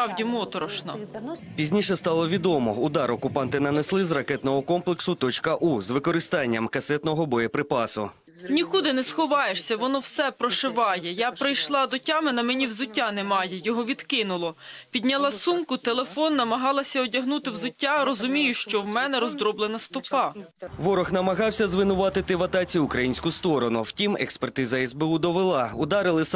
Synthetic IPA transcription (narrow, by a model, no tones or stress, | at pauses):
ɑwdʲimɔt̪ɔɾɔʃnɐpʲizʲnʲiʃɛst̪ɑlˠɔʋʲid̪ɔmɔ̰ʊd̪ɑɾɔkʊpɑnt̪ɪnɐneslˠɪzrɐkɛt̪nɔɦɔkɔmplˠeksʊt̪ɔt͡ʃkɐʔuzʋɪkɔɾɪst̪ɑnʲːɐmkɐsɛt̪nɔɦɔbɔjɛpɾɪpɑsʊ̰ | nʲikud̪ɪnɛsxɔʋɑjeʃsʲɐʋɔnɔwsɛpɾɔʃɪʋɑjɛjapɾɪjʃlˠɑd̪ɔtʲɑmɪnɐmɛnʲiwzʊtʲːanemɑjɛjɔɦɔʋʲid̪kɪnʊlˠɔpʲid̪ʲnʲɐlˠɑsumkʊt̪elˠefɔnːɐmɐɦɑlˠɐsʲɐɔdʲɐɦnut̪ɪwzʊtʲːaɾɔzʊmʲijʊʃt͡ʃɔwmɛnɛɾɔzd̪ɾɔblˠenɐst̪ɔpɑʋɔɾɔxnɐmɐɦɑwsʲɐzʋɪnʊʋɑt̪ɪt̪ɪʋɐt̪ɑt͡sʲiʊkɾɐjinʲsʲkʊst̪ɔɾɔnʊwtʲimekspert̪ɪzɐɛzbeud̪ɔʋɪlˠɑʊd̪ɑɾɪlˠɪs